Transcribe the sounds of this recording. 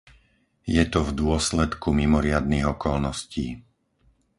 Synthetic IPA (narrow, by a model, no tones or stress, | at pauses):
jɛt̪ɔvd̪ʊɔslɛt̪kumimɔɾɪad̪̚niɣɔkɔlnɔsciː